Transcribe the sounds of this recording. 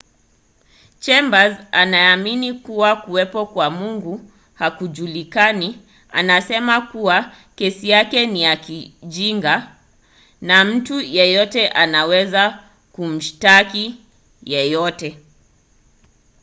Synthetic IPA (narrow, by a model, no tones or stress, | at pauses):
t͡ʃɛmbazanaːminikuwakuwɛpɔkwamuŋɡu | hakuʄulikani | a̰nasɛmakuwa | kɛsijakɛnijakiʄiŋɡa | nam̩tujɛjɔtɛʔanawɛza | kum̩ʃtaki | jɛjɔtɛ